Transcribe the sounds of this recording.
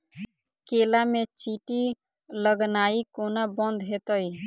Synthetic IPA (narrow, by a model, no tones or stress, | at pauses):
kelamet͡ʃiʈi | ləɡnaikonabənd̪ɦet̪əj